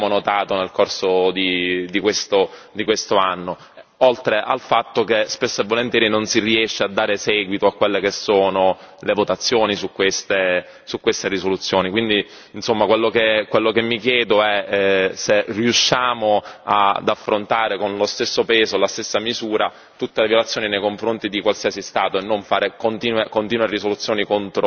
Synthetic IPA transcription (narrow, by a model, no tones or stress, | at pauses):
monot̪aːt̪onelkorsod̪id̪ikwest̪od̪ikwest̪oanːo | olt̪ɾeʔa̰lfat̪ːok̟espesːevːolent̪jɛːɾinonsiriɛʃːead̪ːaːɾesɛːɡwit̪oakːwelːekesːoːnolevot̪at̪sːjoːnisukːwest̪e | sukːwest̪erisolut̪sːjoːnikwind̪iː | nsomːakwelːokekwelːokemːik̟jɛːd̪oɛseriuʃːaːmoad̪afːɾont̪aːɾekonlost̪esːopɛːzolast̪esːamizuːɾa | t̪ut̪ːelevjolat̪sːjoːninejkoɱfɾont̪id̪ikwalsiazist̪aːt̪oenːoɱfaːɾekont̪iːnwekont̪iːnweɾisolut̪sːjoːnikont̪ɾo